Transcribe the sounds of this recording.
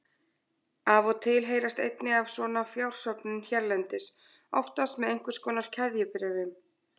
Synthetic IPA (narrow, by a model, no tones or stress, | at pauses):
aːvɔt̪ʰɪlɦeːjɾast̪ḛjt̪nɪɣav̥svɔːnafjawr̥sœpnʏnçɛɾlɛnt̪ɪs | ɔ̰ft̪ast̪mɛðejŋ̥kvʏ̥skɔːnaɾ̥cʰɛðjɪpɪɾɪvɪm